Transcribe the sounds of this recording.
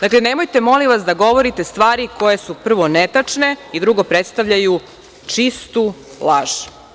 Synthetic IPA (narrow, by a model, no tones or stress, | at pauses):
d̪akleneːmojt̪e̞mo̞liʋasd̪aɡo̞ʋoɾit̪e̞st̪ʋaːɾiko̞jesupr̩ʋo̞net̪at͡ʂne̞id̪ɾuɡo̞pɾet̪st̪aʋʎaju | t͡ʂist̪u | lˠaʒ